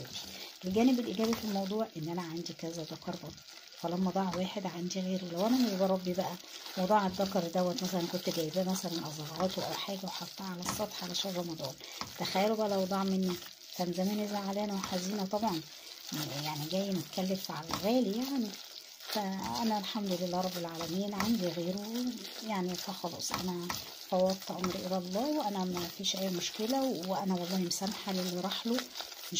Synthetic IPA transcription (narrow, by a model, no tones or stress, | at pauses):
biʔelɡæːnebelʔiɡæːbæfilmɑwd̪ˤuːʕʔenːʔænæʕand̪ikæzæd̪ˤɑkɑɾˤbɑ | fælæmːɑd̪ˤɑʕwæːħed̪ʕand̪iɣeːɾiwlæwʔænæmezbɑɾˤɑbːibæʔæ | lwd̪ˤɑːʕæt̪d̪ːɑkɑɾˤd̪æwːæt̪mæsælænkont̪ɡæjbæmæsælænʔɑzˤɑɣɑːt̪wʔæwħaːɡæweħɑt̪ˤːɑʕalæsˤːɑt̪ˤħɑʕalæʃærˤːɑmɑd̪ˤɑːnt̪æxæjːælobæʔælæwd̪ˤɑʕmenːi | kænzæmænezhaʕʕalæːnæweħaziːnæt̪ˤɑbʕɑn | jaʕniɡæjːmet̪kælːefʕalæɣæːlijaʕni | fæʔænælħamd̪lelːæɾˤɑbːelʕaːlæmiːnʕand̪iɣeːɾujaʕnifæxɑlɑ̰ːsˤʔæ̰næ | fɑwɑt̪ˤːɑʕomɾʔelælˤːɑːweʔænæmæfiːʃʔæjːmoʃkelæweʔænæwɑlˤːɑːhimesæmħalelːiɾˤɑħlo | me